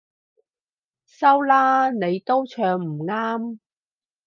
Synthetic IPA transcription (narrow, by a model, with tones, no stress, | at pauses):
sɐ˥wlaː˥ne˨˧jt̪o˥wt͡ʃʰœː˧ŋm̩˨˩ŋaː˥m